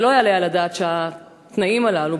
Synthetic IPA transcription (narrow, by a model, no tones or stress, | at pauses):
lo̞ajalejalad̪aːt̪ʃea | t̪naimalalu